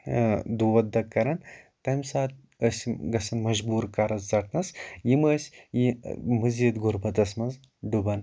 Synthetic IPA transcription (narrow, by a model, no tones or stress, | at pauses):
d̪uʋɐt̪̚d̪ɐkːɐɾɐnt̪ɐmʲsaːt̪̚ | əsʲɡɐsɐnmɐʒbuːɾkɐɾɐzzɐʈ̪ʰnɐsjiməːsʲimɨziːt̪ɡuɾbɐt̪ɐsmɐnz | ɖubɐn